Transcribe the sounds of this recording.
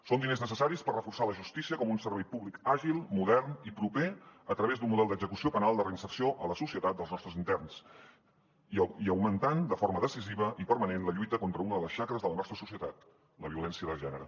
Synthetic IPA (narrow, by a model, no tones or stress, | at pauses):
sond̪ineznəsəsaɾispərrəfursaləʒust̪isiəkɔmunsəɾβɛjpuβlikaʒilˠmuðɛrnipɾupeət̪ɾəβezd̪unmuðɛlˠd̪əɡzəkusiopənalˠd̪ərəinsərsioʔələsusiət̪at̪̚d̪əlˠznɔst̪ɾəzint̪ɛrns | iəwmənt̪and̪əfoɾməðəsiziβəʔipəɾmənenləʎujt̪əkont̪ɾəunəðələsʃakɾəzðələnɔst̪ɾəsusiət̪at̪̚ | ləβiulɛnsiəðəlˠʒɛnəɾə